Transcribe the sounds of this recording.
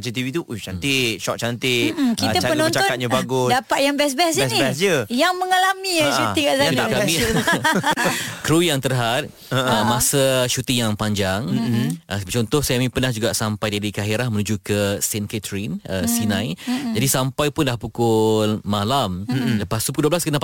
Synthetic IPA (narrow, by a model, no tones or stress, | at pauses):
at͡ʃət̪ivit̪uʔut͡ʃant̪ɪʃɔk̚t͡ʃant̪ɪʔkit̪əapənɔ̃nt͡ʃaɔnat̪̚ɲabaɡʊsdapat̪̚jaŋbɛs̬bɛs̬isiɛsd͡ʒəjaŋməŋalamiaʃuikaʔsaakai | kɾujaŋt̪ərɦat̪̚ | əəmasəʃut̪ijaŋpaɲd͡ʒaŋ̩ʔəbət͡ʃɔnt̪ɔhsaamĩpənahd͡ʒuɡaʔsampajdadikaɦiɾahmənũd͡ʒukəsɛnket̪ɾinəsinãjd͡ʒadisampajpʊnlahpukʊlmalamləpast̪upukulduəblaskəna